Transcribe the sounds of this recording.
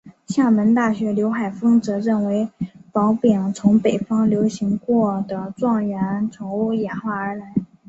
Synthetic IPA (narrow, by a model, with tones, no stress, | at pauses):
ɕja˥˩mə˧˥nt̪a˥˩ɕɥɛ˧˥ljo˧˥ʊxa˨˩ɪfɤ˥ŋt͡sɤ˧˥ɻə˥˩nwe˧˥ɪpɑ˧˥ʊpjɛ˨˩ŋt͡sʰʊ˧˥ŋpe˨˩ɪfɑ˥ŋljo˧˥ʊɕi˧˥ŋkwɔ˥˩d̪ə˩t͡swɑ˥˩ŋɥɛ˧˥nt͡sʰʊ˧˥ŋ˥jɛ˨˩nxwa˥˩ə˞˧˥la˧˥ɪ